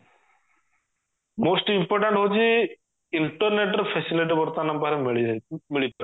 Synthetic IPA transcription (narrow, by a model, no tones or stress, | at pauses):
mosʈimpɔɾʈaɳʈɦot͡ʃʰi | iɳʈɔɾneʈɔɾpʰesiliʈibɔɾt̪anambaɾemɭmiɭit̪ɔɾ